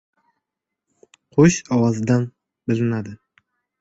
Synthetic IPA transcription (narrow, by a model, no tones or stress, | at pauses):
qʰoʃɒwɑzd̪an | bɪlɪnad̪ɪ